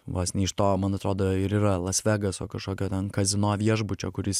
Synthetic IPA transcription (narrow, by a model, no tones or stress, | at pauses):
ʋoːsʲnʲɛɪʃt̪oːmɐnɐt̪ɾoːd̪oːɪɾiːɾɐlˠɐsʲʋʲæːɡɐsoːkɐʃkoːkʲoːt̪ʲɛnkɐzʲɪnoːʋʲiɛʒbʊt͡ʃʲoːkʊɾʲɪs